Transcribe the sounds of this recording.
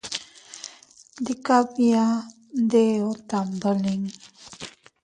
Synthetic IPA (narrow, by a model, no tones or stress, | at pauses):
dikabija | d̪eot̪ambəliŋ